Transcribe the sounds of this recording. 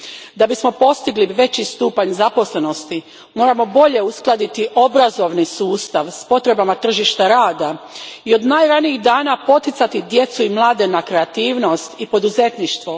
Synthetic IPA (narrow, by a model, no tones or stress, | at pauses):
d̪abismo̞po̞st̪iɡliʋe̞t͡ɕist̪uːpaɲzapo̞sle̞no̞st̪i | mo̞ːɾamo̞bo̞ʎe̞usklˠad̪it̪iʔo̞bɾazo̞ʋnisuːst̪aʋspo̞t̪ɾe̞bamat̪r̩ʒiʃt̪aɾaːd̪aio̞d̪naːjɾaniiɣd̪aːnapo̞t̪it̪sat̪id̪je̞t̪suimlˠaːd̪enakɾeat̪iːʋno̞st̪ipo̞d̪uze̞t̪niʃt̪ʋo